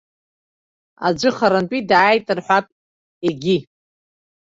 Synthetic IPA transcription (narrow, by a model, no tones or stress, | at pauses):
a̰d͡ʒʷɨχaɾanpʼidaːjtʼɨrħʷᶣapʼ | eɡʲi